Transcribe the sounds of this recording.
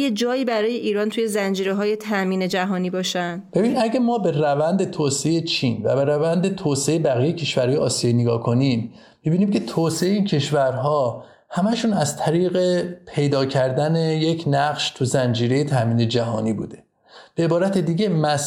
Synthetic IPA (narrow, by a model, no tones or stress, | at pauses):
jed͡ʒɒːjiːbæɾɒːje̞ʔiːɾɒːnt̪ʰuːje̞zænd͡ʒiːɾeɦɒːje̞t̪ʰæmiːned͡ʒæɦɒːniːbɒːʃænd̪̥b̥einidæɟæmɒːbe̞rævænd̪et̪ʰoːseejet͡ʃʰiːnvæ̰beɾævænd̪e̞t̪ʰoːseejebæɣijejecʰe̞ʃvæɾhɒːjeɒːsijeneɡɒːkʰo̞nimː | ibiːniːmcʰe̞t̪ʰoːseeiːncʰe̞ʃvæɾɦɒː | hæmæʃuːnæzt̪ʰæɾiːɣe̞pʰe̞jd̪ɒːcʰæɾd̪æne̞jecʰnæɢʃt̪ʰuzænd͡ʒiːɾe̞jet̪ʰæmiːne̞d͡ʒæɦɒ̰ːniːbṵːd̪e̞ | b̥eebɒːɾæt̪ʰed̪iːɟemæs